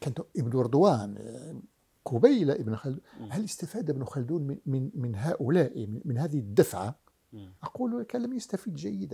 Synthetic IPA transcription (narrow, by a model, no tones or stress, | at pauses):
kænt̪ʊʔəbnuɾd̪wæn | kʊbæjlaʔəbnxæld̪uhæləst̪æfæd̪əbnuxæld̪uːnmmənmənɦæʔʊlæʔimmənhæd̪ihd̪ːəfʕa | ʔɑqulukæləmjəst̪æfid̪ʒæjːəd̪æ